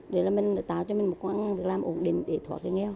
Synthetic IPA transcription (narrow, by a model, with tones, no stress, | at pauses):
ɗe˨˩˦laː˨˩mi˨˩ŋ˨˩t̪a̰ː˧˨wt͡ɕɔ˧mi˨˩ŋ̟mo˨˩t̚kwːnaː˧ŋvi˨˩ək̚laː˨mʔo˧˩˦nɗḭ˨˩ŋ̟ɗe˨˩˦t̪ʰwaː˧˨˩ke˧˦ŋɛ˧w